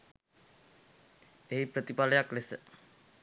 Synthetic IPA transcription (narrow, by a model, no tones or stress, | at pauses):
eɦipɾət̪ipaljaklesə